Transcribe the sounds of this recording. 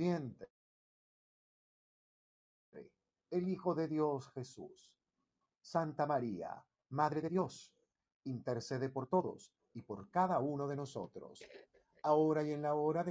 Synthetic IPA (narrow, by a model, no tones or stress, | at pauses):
ent̪e | ɾḛ | elixo̞ðe̞ðjo̞sxe̞sṵsː | ant̪amaɾia̰ | maðɾeðeðjo̞s | int̪eɾseðe̞po̞ɾt̪o̞ðo̞̰s | ipo̞ɾkaðauno̞ðe̞no̞so̞̰t̪ɾo̰s | aoɾajienlaoɾaðe